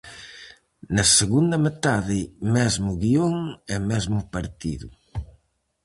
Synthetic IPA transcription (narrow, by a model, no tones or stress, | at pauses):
nɐseɣund̪ɐmet̪aðɪmɛzmʊɣioŋɛmɛzmʊpaɾt̪ḭðʊ̰